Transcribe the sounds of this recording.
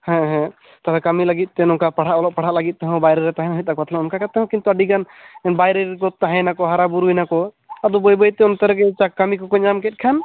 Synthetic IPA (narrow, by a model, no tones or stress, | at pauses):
hɛ̃ɦɛ̃ | t̪abɛkamilaɡit̪̚ˀt̪ɛnɔkapaɽ̤aʔɔlɔʔ̚paɽ̤aʔlaɡit̪̚ˀt̪ɛɦɔ̃bajɾɛɾɛt̪aɦɛ̃ɦɔjt̪̚ˀak̚bat̪ʰlɛɔnkakat̪ːɛɦɔ̃kint̪uaɖiɡan | ɛnbajɾeɾkɔt̪aɦɛ̃nakɔɦaɾabuɾujnakɔ | ad̪ɔbɔjbɔjt̪ɛɔnt̪aɾɡɛt͡ʃakamikɔkɔɲamkɛt̪̚kʰan